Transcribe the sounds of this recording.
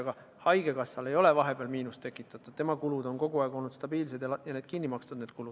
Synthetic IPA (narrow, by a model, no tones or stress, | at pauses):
ɑɡ̥ɑ | hɑjɡ̥e̞kɑsːɑle̞jo̞le̞vɑɦe̞b̥eɑlmiːnust̪e̞kːˑit̪ːˑɑt̪ːˑud̥̪t̪e̞mɑkulud̪o̞nko̞ɡ̥uɑˑeɡ̥o̞lnud̪st̪ɑb̥iːls̬e̞d̪jɑjɑne̞ːd̪̥kinːimɑkst̪ud̪neːd̪̥kulud̪̥